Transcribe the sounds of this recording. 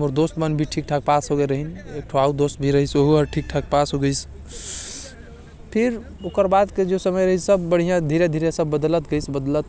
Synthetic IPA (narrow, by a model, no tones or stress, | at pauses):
moɾd̪ost̪mənbʱiʈʰik̚ʈʰak̚pasɦoɡeɾəɦinek̚ʈʰoaud̪ost̪bʱiɾəɦisoɦuəɾʈʰik̚ʈʰak̚pasɦoɡəjs | pʰiɾ | okəɾbad̪ked͡ʒosəməjɾəɦissəbːəɽ̤ijãd̪ʱiɾed̪ʱiɾesəbːəd̪lət̪ɡəjsbəd̪lət̪̚